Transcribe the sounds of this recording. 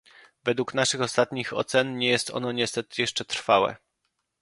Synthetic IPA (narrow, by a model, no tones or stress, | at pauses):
vɛd̪wuknaʂɘxɔst̪at̪ɲixɔ̰t̪sɛnɲɛjɛst̪ɔ̰nɔɲɛst̪ɛt̪ɘjɛʂt͡ʂɛt̪ɾfawɛ̰